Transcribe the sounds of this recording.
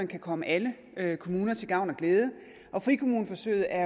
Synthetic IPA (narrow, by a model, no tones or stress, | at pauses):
ɐnkʰækʰɒ̽məʔælə | økʰo̝muːnɐt͡sʰe̝lɡ̥ɑ̈ʊ̰nɒ̽ɡ̥leːðˠə | ʔɒ̽fʁikʰo̝muːn̩fɒ̽sø̰ɪð̩ˠæ